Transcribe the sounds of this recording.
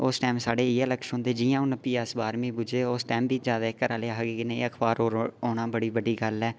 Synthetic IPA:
ʊsʈɛːmsaːɽeːɪɛːləkʃɦõːnd̪eːd͡ʒɪjãːʊnəpiːəsbaːɾmĩːbʊd͡ʒeːosʈɛːmbʱiːd͡ʒjaːd̪aːɪkːəɾaːleːɦəɡiːkɪneːəkʰbaːɾoːɾoːɽãːbəɽiːbəɖiːɡəlɛː

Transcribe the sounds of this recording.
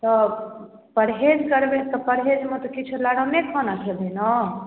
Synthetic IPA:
t̪ɔ | pəɾɦed͡ʒkəɾbet̪ɔpəɾɦed͡ʒmet̪ɔkit͡ʃʰulaɽ̤amekʰɔnat͡ʃʰelenɔ

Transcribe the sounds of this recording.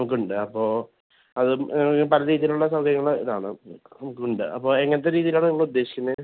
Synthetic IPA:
nɐmuk̬ːɨuɳɖɨɐpːo̞ː | ɐðɨkːpɐlɐɾiːðijiluɭːɐsɐwkʰɐɾjɐŋːɐɭḭða̰ːɳɨ̰nɐmukːuɳɖɨʔɐpːo̞ːeŋːɐneɐt̪̬ːeɾiːðijilaːɳɨniŋːɐɭud̪ːe̞ːɕi̥kʲːunːɨ

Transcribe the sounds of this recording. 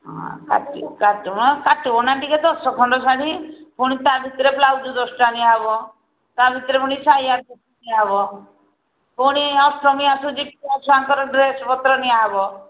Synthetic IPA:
ɦɔ̰̃ka̰ʈikaʈiɔakaʈibɔnaʈiked̪ɔsɔkʰɔɳɖɔsaɽipuɽ̃it̪abʱit̪ɾeplawd͡ʒud̪ɔsʈaniabɔ | t̪abʱit̪ɾepuɽ̃isajaɾbit̪aniaɦbɔ | puɽ̃iɔsʈɾɔmiasud͡ʒip̚asʰaŋkɔɾɔɖɾespɔt̪ɾɔniaɦbɔ

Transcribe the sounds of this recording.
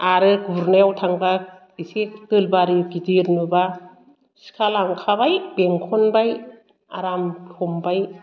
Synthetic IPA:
aɾɯɡubɾnewtʰaŋba | isektɯlbaɾiɡidiɾnɯba | si̥kʰalaŋkʰabajbeŋkʰɔnbaj | a̰ɾamtʰɔmbaj

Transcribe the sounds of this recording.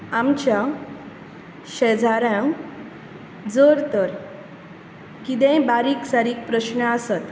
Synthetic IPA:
amt͡ɕja | ɕəd͡zʱaɾã | d͡zəɾt̪əɾ | kit̪ɛ̃baɾiːksaɾiːk̚pɾəɕnəasət̪

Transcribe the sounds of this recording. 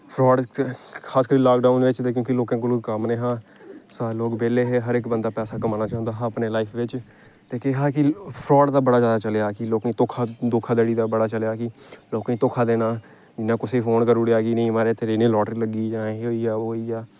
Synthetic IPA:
pʰɾɔːɖkʰaːskəɾiːlaːkɖaːʊnɪt͡ʃt̪eːk̬jõːkɪloːkãːk̬oloːɡkəmnẽːɦãː | saːloːkbeːleːɦɛːɦəɾɪkbənd̪aːpɛːsaːkəmaːnaːt͡ʃãːʊ̃nd̪aːɦãːəpneːlaːipʰʋɪt͡ʃ | t̪eːkeɦaːkɪpʰɾɔːɖd̪aːbəɽaːzjaːd̪aːt͡ʃəljaːkɪloːkẽːt̪oːkʰaːd̪oːkʰaːd̪eːɽiːd̪aːbəɽaːt͡ʃəlejaːkɪloːkãːt̪oːkʰaːd̪eːnaː | d͡ʒɪnːãːkʊseːpʰoːnkəɾʊɽiaːɡiːnəĩmaːɾeːt̪ʰeɾeːneːlɔːʈəɾiləɡiːd͡ʒãːɦeoːiːaːoːiːaː

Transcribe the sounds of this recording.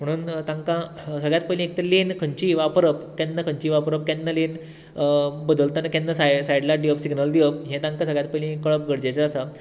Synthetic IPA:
m̤əɽ̃uːnt̪ãŋkãsəɡɭjat̪̚pəlĩek̚t̪əɾlenkʰəɲt͡ɕiʋapɾəpkɛnːəkʰəɲt͡ɕiːʋapɾəp̚kɛnːəlen | bəd̪əlt̪anəkɛnːəsasajɖlaɖiʋəfsiɡnəld̪iʋəp̚ɦẽt̪ãŋkãsəɡɭjat̪̚pəlĩkəɭəp̚ɡəɽd͡ʑet͡səːsa

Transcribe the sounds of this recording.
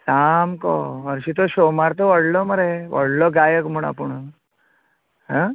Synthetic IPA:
samkɔ̰əɾɕit̪̬ɔɕomaɾt̪ɔʋəɽlɔməɾeʋə̰ɽlɔɡajəkm̤uɽ̃a̰puɳ | ɦã

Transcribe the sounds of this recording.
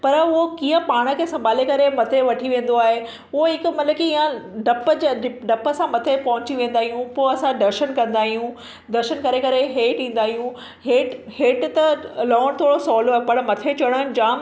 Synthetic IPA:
pɐɾʊɦokĩːə̃paːɽ̃ə̆kʰeːsɐ̃mbʱaːlekɐɾemɐt̪ʰeʋɐʈʰiʋẽːn̆d̪oaːɦe | ʊɦoɦɪkʊ̆mɐt̪ləbkiɪjãɖɐpəd͡ʑɖɪɖɐpə̆sãmɐt̪ʰepɐɦʊ̃t͡ɕiʋẽːn̆d̪aːɦijũpoːɐsãɖɐɾʃənkɐ̃nd̪aːɦijũ | ɖɐɾʃənkɐɾekɐɾeɦeːʈĩːn̆d̪aːɦijũ | heːʈheːʈt̪ɐlɔːɽ̃t̪ʰoːɽosɔːloaːɦepɐɽmɐt̪ʰet͡ɕɐɽ̃ənd͡ʑaːm

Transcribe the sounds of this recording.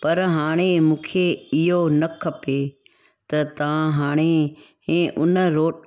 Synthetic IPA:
pɐɾɦaːɽ̃emũːkʰeɪɦonɐkʰɐpe | t̪ɐt̪ɐʋãɦaːɽ̃e | ẽːʔʊnəɾoːʈ

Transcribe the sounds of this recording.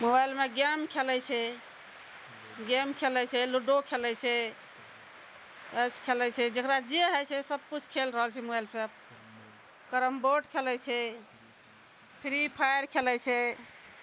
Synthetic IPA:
mobajlmeɡamkʰelɛt͡ʃʰɛ | ɡemkʰelɛt͡ʃʰɛluɖokʰelɛt͡ʃʰɛ | əskʰelɛt͡ʃʰɛd͡ʒəkɾad͡ʒeɦəjt͡ʃʰɛsəb̚kut͡ʃʰkʰelɾəɦəlt͡ʃʰɛmobajlsep̚ | kəɾəmboʈkʰelɛt͡ʃʰɛ | pʰiɾipʰajəɾkʰelɛt͡ʃʰɛ

